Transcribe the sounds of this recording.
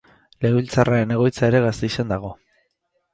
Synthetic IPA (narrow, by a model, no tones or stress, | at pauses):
le̞wβilt͡sarae̞ne̞ɣo̞jt͡sae̞ɾe̞ɣ̞ast̪eisand̪aɣ̞o̞